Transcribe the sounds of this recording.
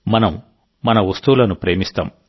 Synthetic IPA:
mɐnɐm | mɐnɐʋust̪uʋulɐnupɾe̞ːmist̪a̰ːm

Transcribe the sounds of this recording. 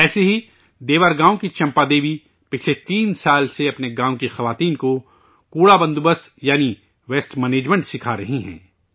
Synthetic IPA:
ɛːseɦi | d̪eːʋaːɾɡãːõkit͡ʃɐ̃mpad̪eːʋi | pɪt͡ʃʰlet̪iːnsaːlseɐpneɡãːõkixɐʋaːt̪iːnko | kuːɽabɐ̃nd̪ubəs | jaːni | ʋeːsʈmɛneːd͡ʒmẽːɳʈsɪkʰaɾɐɦiɦɛ̰̃ː

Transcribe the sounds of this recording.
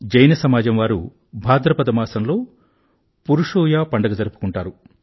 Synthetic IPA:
d͡ʒɐjnɐsɐmaːd͡ʒɐmʋaːɾu | bʱaːd̪ɾɐpɐd̪ɐmaːsɐnlo̞ː | puɾuʂuːjaːpɐɳɖɐɡɐd͡ʒɐɾupu̥kuɳʈaːɾu

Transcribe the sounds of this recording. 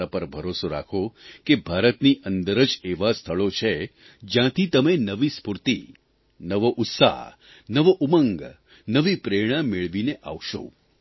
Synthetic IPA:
apəɾbʱəɾosoɾa̰kʰokebʱaɾət̪niʔənd̪əɾəd͡ʒeʋast̪ʰəɭot͡ʃʰe | d͡ʒjãt̪ʰit̪əmenəʋispuɾt̪i | nəʋoʔʊt̪sa̰ɦ | nəʋoʔuməŋɡ | nəʋipɾeɽ̃ãmɪɭʋineʔa̰ʋʃo̰

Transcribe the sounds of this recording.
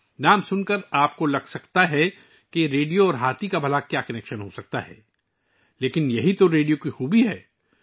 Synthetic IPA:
naːmsʊnkəɾaːp̚kolɐɡsɐkt̪aɦɛ | keɾeːɖijoɔːɾɦaːt̪ikabʱɐlakjaːkɐnɛːkʃənɦosɐk̚t̪a̰ɦɛ̰ː | leːkɪnjɐɦit̪oɾeːɖijokixubiɦɛː

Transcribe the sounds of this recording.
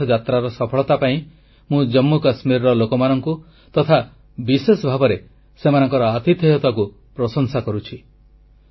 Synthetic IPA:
ɔd͡ʒat̪ɾaɾɔsɔpʰɔɭɔt̪apaĩ | mũd͡ʒɔmːukasmiɾɾɔlokɔmanɔŋku | t̪ɔt̪ʰa | bisesɔbʱabɔɾe | semanɔŋkɔɾɔat̪it̪ɦeɦɔt̪aku | pɾɔsɔŋsakɔɾut͡ʃʰi

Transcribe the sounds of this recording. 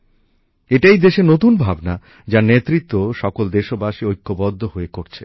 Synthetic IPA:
eʈajd̪eʃenot̪unbʱabna | d͡ʑaɾnet̪ːɾit̪ːoʃɔkold̪eʃobaʃiojkːobɔd̪ʱːohoekoɾt͡ɕʰe̥

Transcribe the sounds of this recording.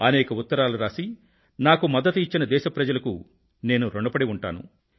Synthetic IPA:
ɐnɛːkɐut̪ːɐɾaːluɾaːsi | naːkumɐd̪ːɐt̪uit͡ʃːinɐd̪ɛːʃɐpɾɐd͡ʒɐlɐku | ne̞ːnuɾoɳɖɐpɐɽiuɳʈa̰ːnṵ

